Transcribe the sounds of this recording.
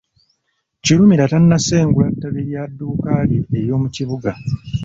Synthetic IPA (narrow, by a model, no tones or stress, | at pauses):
ciɾumiɾatanːase̞ːŋɡulatːaβiɾjadːuːkaːliejo̞ːmuciβuɡa